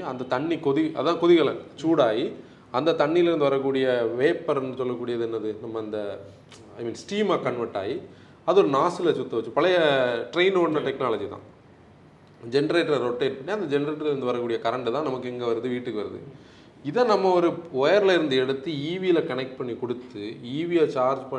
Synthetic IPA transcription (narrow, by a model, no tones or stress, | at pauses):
ɐnd̪ɐt̪ɐɳːikɔðɪʔɐ̰ððãːkɔðɪɣɐɭɐ̰t͡ʃuːɽaːji | ɐnd̪ɐt̪ɐɳːijɪlɪɾɯnd̪ɯʋɐɾɐkːuːɽɪjɐʋeːpːɐɾɛnd̪ɯsɔlːɐkːuːɽɪjɐðɯɛnːɐðɯnɐmːɐːnd̪ɐ | ɐɪmiːnsʈiːmaːkɐɳʋɐɾʈːa̰ːji | ɐðɯɔɾɯnaːsɪlɐt͡ʃʊt̪ːɐʋɐt͡ʃːɯpɐɭɐjɐʈɾeɪnoːɽnːɐʈɛknaːlɐd͡ʒit̪ã̰ː | d͡ʒɛnɐɾeːʈːlɐɾoʈːeːʈ̚pɐɳːiɐnd̪ɐd͡ʒɛnɐɾeːʈːɐɾɪɾɯnd̪ɯʋɐɾɐkːuːɽɪjɐkɐɾɐɳɖɯt̪ãːnɐmɐkːɯɛŋɡɐʋɐɾɐðɯʋiːʈːɯkːɯʋɐɾɐðɯ̰ | ɪðɐnɐmːɐɔɾɯɔjɐɾɪlɪɾɯnd̪ɯɛɽɯt̪ːiiːʋijɪlɐkɐnɛk̚ʈ̚pɐɳːikɔɽɯt̪ːɯiːʋijat͡ʃaːɾd͡ʒpɐ